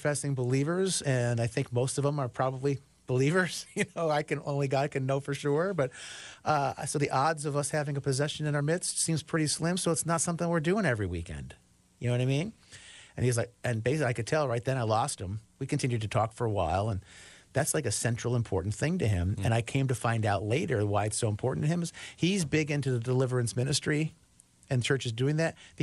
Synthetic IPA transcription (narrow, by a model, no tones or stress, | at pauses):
fɛsɪ̃ŋbəlivə˞zɨ̃naɪθɪ̃ŋk̚moʊstʌvə̃mə˞pʰɹ̥ɑbəbli | b̥əlivə˞z̥jɨnoʊaɪkʰɨ̃nʔõ̰ʊ̃nliɡɑd̚kʰɨ̃nːoʊfə˞ʃʊɹbʌt̚ʔʌsoʊðiʔɑdzʌvʌshævɪ̃ŋɨpʰɨzɛʃɨ̃nɨ̃naʊə˞mɪtstsĩmz̥pʰɹ̥ɪɾislɪ̃msoʊətsnətsʌ̃mθɪ̃ŋwɪɹdʉɪ̃ŋɛvɹiwḭkɛ̰̃nd̥ | jɨnoʊwʌɾaɪmĩn | ɨ̃nizlaɪkɨ̃nbeɪsliaɪkɨd̚tʰɛlˠɹaɪt̪̚ðɨ̃ɾ̃aɪlɔst̚hɨ̃mwikɨ̃ntʰɪ̃njʉd̚tɨtʰɔkfə˞əwa̰ɪlˠə̃nðætslaɪkɨsɛ̃nt͡ʃɹ̥l̩ˠə̃mpʰɔ̰ɹʔn̩θɪ̃ŋtɨɪ̃mɨ̃ñaɪkʰẽɪ̃mtɨfãɪ̃ndaʊtˡleɪɾə˞waɪɨtsoʊə̃mpʰɔɹʔn̩tɨɨ̃mɨz̥hizbɪɡɪ̃ntʉðɨdəlɪvə˞ɨ̃nsmɪ̃nɨstɹ̥i | ɨ̃nt͡ʃʰɜ˞t͡ʃɨzdʉɪ̃ŋðɨt̚ð